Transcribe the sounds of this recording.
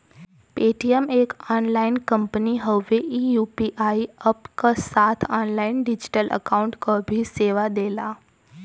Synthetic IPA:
peːʈiəmeːkaːnlaːɪnkə̃mpəniɦəʋeʔiːjuːpiʔaːiəpkasaːt̪ʰaːnlaːɪnɖɪd͡ʒɪ̥ʈəlʔə̰kaːʊ̃ɳʈkobʱiseːʋad̪eːlaː

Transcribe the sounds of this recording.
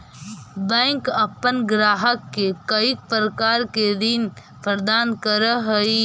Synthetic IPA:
bɛ̃ŋkəpːənɡɾaːɦəkːekəik̚pɾəkaːɾked̪in | pɾəd̪aːnkəɾəɦəi

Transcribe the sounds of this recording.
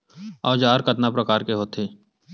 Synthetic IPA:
ɔːd͡ʒaːɾkɐt̪napɾɐkaːɾkeɦoːt̪ʰeː

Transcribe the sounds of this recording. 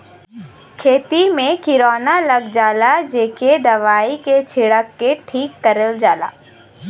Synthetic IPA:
kʰeːt̪imẽkɪɾoːnalɐɡd͡ʒaːlad͡ʒeːked̪ɐʋaːiket͡ʃʰɪɽəkːeʈʰiːkːɐɾəld͡ʒaːla̰ː

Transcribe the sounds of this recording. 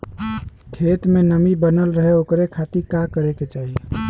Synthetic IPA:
kʰet̪menəmibənəlɾəɦeokɾekʰat̪iɾkakəɾeket͡ʃaɦi

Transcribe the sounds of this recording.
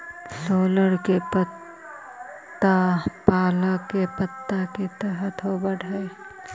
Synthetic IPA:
soːləɽkepət̪ | apaːlakepət̪ːaket̪ɛɦət̪ʰɦobəɽʱae

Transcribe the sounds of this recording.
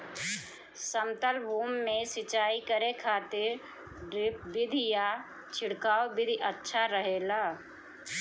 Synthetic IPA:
səmt̪əlbʱuːmːẽsɪt͡ʃaːikəɾekʰaːt̪ɪɾ | ɖɾɪp̚bɪd̪ʱija | t͡ʃʰɪɽkaːobɪd̪ʱiʔətːʃʰaɾəɦeːlaː

